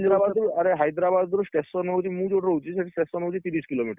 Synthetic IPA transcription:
d̪ɾabad̪uaɾeɦajd̪ɾabad̪ːuɾusʈesɔnowt͡ʃʰimũd͡ʒoɽɾowt͡ʃʰiseʈʰisʈesɔnɦowt͡ʃʰit̪iɾiskilomiʈ

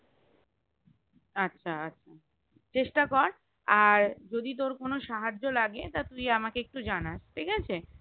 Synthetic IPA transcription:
atːɕʰaatːɕʰa | t͡ɕeʃʈakɔɾ | aɾd͡ʑod̪it̪̬oɾkonoʃaɦad͡ʑːolaɡet̪at̪ujamakeek̚ʈud͡ʑanaʃʈ̪ʰikat͡ɕʰe

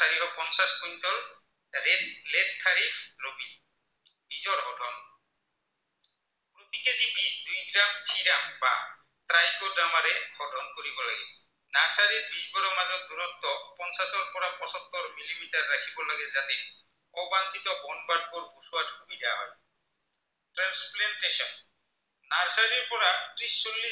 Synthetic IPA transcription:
aɾikɔpɔnsaspɔjntɔɹ | eledtʰaɾifʰɹobi | bizɔɹɦɔdʱɔn | kɾut̪ikezibisdujɡɹamtʰiɾamba̰ | tɾajkɔdamaɾɛhɔdʱɔnkoɾibɔlaɡɛ | naɾsaɾiɾbisbɔɾomad͡ʑod̪uɾɔnt̪opɔnsaʃoɾpɔɾapɔʃɔt̪ːoɾmilimiʈaɾːakʰibɔlaɡed͡ʑat̪e | ɔbant͡ɕit̪obɔnbaʈ̚koɾbusuaʈkubid̪ewa̰ɦɔ̰e | ʈɾansplaɳʈeʃɔn | naɾsaɾiɾpɔɾat̪ɾiʃt͡ɕolːi

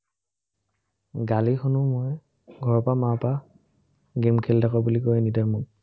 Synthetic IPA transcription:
ɡalixɔnumoj | ɡʱɔɹpamapa | ɡemkʰɛldakɔbulikojɛnidaɹmuk

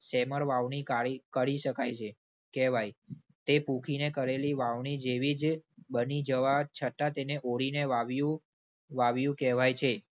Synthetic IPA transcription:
sɛməɾʋaʋɳikaikəɾiʃəkajt͡ʃʰe | kɛʋaj | t̪epũkʰinekəɾeliʋaʋɳid͡ʒeʋid͡ʒbənid͡ʒəʋat͡ʃʰət̪at̪eneʔoɽineʋaʋjũ | ʋaʋjũkɛʋajt͡ʃʰe

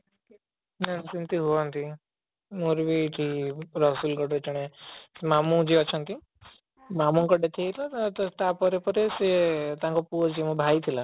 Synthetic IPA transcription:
nansint̪iɦuɔnt̪i | moɾbʱiʈʰiɾɔsulɡɔɖet͡ʃʰɔɽ̃esemamũd͡ʒiɔt͡ʃʰɔnt̪i | mamũkɔɖet̪ʰiet̪ʰilat̪ɔt̪apɔɾepɔɾeset̪ãŋkɔpuɔd͡ʒiemũbʱajt̪ʰila

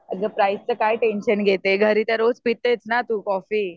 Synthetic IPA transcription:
əɡəpɾajst͡səkaiʈenɕənɡʱet̪eɡʱəɾit̪jaɾod͡zpit̪ːet͡snat̪uːkɔfiː

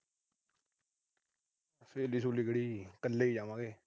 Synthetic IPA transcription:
sʰeːlis̬ũːlɪɡɽiːkəlːeːiːd͡ʒaːʋãːɡeː

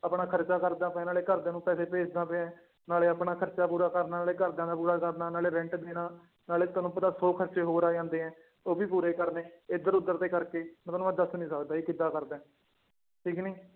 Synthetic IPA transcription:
əpɳaːkʰəɾt͡ʃaːkəɾd̪ãːpɛ̃ːnaːleːkəɾd̪ẽːnũːpɛːseːpeːt͡ʃd̪ãːpeɛ̃ː | naːleːəpɳaːkʰəɾt͡ʃaːpuːɾaːkəɾnaːleːkəɾd̪ãːnd̪apuːɾaːkəɾnaːnaːleːɾɛ̃ɳʈd̪eːnaː | naːleːt̪ʊaːnũːpʊt̪ãːsoːkʰəɾt͡ʃeːɦoːɾaːãːnd̪eːɦɛ̃ː | oːbiːpuːɾeːkəɾneːɪd̪əɾʊd̪əɾt̪eːkəɾkẽːt̪oːnũːəd̪aːsʊnĩːsəkd̪aːiːkɪd̪aːkəɾd̪ɛ̃ː | ʈʰiːkniː

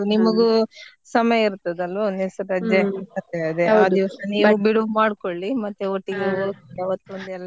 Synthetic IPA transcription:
nimɐɡu | sɐmɐjɐiɾt̪ːɐd̪ɐlʋɐnisɐɾɐd͡ʒeɐt̪eɐd̪eaːd̪iʋɐsɐniːubiɽumaːɽkoɭːimɐt̪ːuoʈːiɡeoːkaʋɐt̪ːuond̪ɛlːɐ

